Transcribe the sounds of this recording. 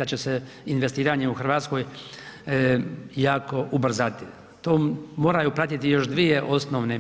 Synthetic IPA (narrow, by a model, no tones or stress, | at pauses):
d̪at͡ɕese | inʋest̪iːɾaɲeuxrɾʋaːt̪sko̞ːj | jaːko̞ʔubr̩zat̪i | t̪oːmo̞ːɾajupɾat̪it̪ijo̞ʃd̪ʋijeʔo̞snoʋne